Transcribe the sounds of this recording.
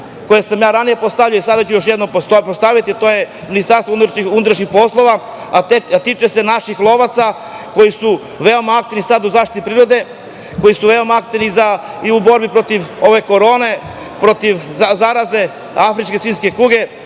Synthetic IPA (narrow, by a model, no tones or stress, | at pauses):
ko̞jesamjaːɾanije̞post̪aʋʎujoisad̪at͡ɕujo̞ʃjed̪nompost̪aʋit̪it̪o̞je̞ | minist̪aɾst̪oununut̪ɾaʃɲixpo̞slˠo̞ʋa | at̪it͡ʃese̞naʃixlˠo̞ʋat̪sa | ko̞jisu | ʋeo̞maak̚t̪iʋnisad̪uzaːʃt̪it̪ipɾiɾod̪e̞ | ko̞jisuʋeo̞maak̚t̪iʋnizaiubo̞ɾbipɾo̞t̪iʋo̞ʋe̞ko̞ɾo̞ːne̞ | pɾo̞t̪iʋazaɾaze̞ | afɾit͡ʃkesʋiːnske̞kuːɡe̞